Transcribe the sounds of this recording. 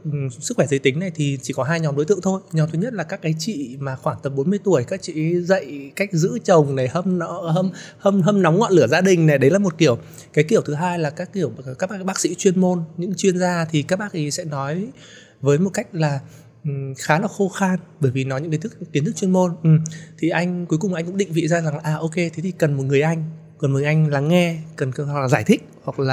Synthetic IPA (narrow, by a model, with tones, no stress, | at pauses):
sɨ˦˥kxwɛ˧˩zə˨˦jt̪ï˨˦ŋ̟na˨˩jt̪ʰi˨˩t͡ɕi˧˩kɔ˨˦ɦaː˧jɲɔ˨˦wɗo˨˦t̪ɨ̰˧˨əŋt̪ʰo˧jɲɔ˨˦wt̪ʰɨ˨˦ɲə˦˥t̚laː˨˩kaː˦˥kːaː˨˦jt͡ɕḭ˧˨maː˨˩xwaː˧˩ŋt̪ə˨˩m̚ɓo˨˦nmɨ˧əjt̪u˧˩əjkaː˦˥k̚t͡ɕḭ˧˥zə̰˧˨jka˦˥jk̟̚zɨ̰˧˥t͡ɕə˨˩wŋ͡mna˨˩jhə˧m˨˦ɦə˧mhə˧mɦə˧mnɔ˨˦wŋ͡mŋɔ̰˧˨nlɨ˧˩əzaː˧ɗï˨˩ŋ̟na˨˩jɗə˨˦jlaː˨˩mo˨˩t̚ki˧˩əw | kaː˨˦jki˧˩əwt̪ʰɨ˨˦ɦaː˧jlaː˨˩kaː˦˥kːi˧˩əwkaː˦˥k̚a˦˥ɓaː˦˥k̚sḭ˧˥t͡ɕwi˧ənmo˧nɲɨ̰˧˥ŋt͡ɕwi˧ənzaː˧t̪ʰi˨˩kaː˦˥k̚ɓaː˦˥ʔi˨˦sɛ̰˧˥nɔ˨˦j | vəː˨˦jmo˨˩t̚ka˦˥jk̟̚laː˨˩˨ | xaː˨˦laː˨˩xo˧xa˧nɓəː˧˩jvi˨˩nɔ˨˦jɲɨ̰˧˥ŋkt̪ʰːi˨˦t̪ɨ˦˥t͡ɕwə˧nmo˧nʔ̩˨˩mt̪ʰi˨˩ʔa˧jŋ̟ku˨˦jkʊ˨˩ŋ͡mʔa˧jŋ̟kʊ̰˧˥ŋ͡mɗï˧˨ŋ̟vḭ˧˨zaː˧za˨˩ŋ˨ʔaː˨˩ʔo˧ke˧t̪ʰe˨˦t̪ʰi̥˨˩kə˨˩nmo˨˩t̚ŋɨ˨˩əjʔa˧jŋ̟kɔ˨˩nmo˨˩ʔa˧jŋ̟laː˨˩ŋɛ˧kə˨˩n˩hwa˨˩klaː˨˩zaː˧˩jt̪ʰï˦˥k̚hwa˨˩k̚laː˨˩